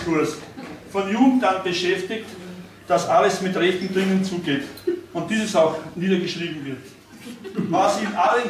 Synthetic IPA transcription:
fʊɐstfɔnjuɡŋ̩tanb̥əʃɛftɪkt | d̥asʔaləsmɪtʁɛçtn̩dʁɪŋənt͡suːɡeːtʊnt̚d̥iːsəsaʊxniːdɐɡəʃʁiːbm̩vɪɐt | vasɪnʔalən

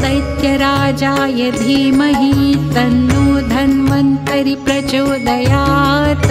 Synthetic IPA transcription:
sɐjt̪jɐɾaːd͡ʒaːjɐd̪ʱiːmɐɦit̪ɐnːuːd̪ʱɐnmɐnt̪ɐɾipɾɐt͡ʃoːd̪ɐjaːt̪

